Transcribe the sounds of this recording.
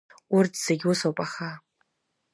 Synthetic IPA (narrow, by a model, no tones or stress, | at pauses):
ʊrtʰz̥eɡʲʊsowpʼaχa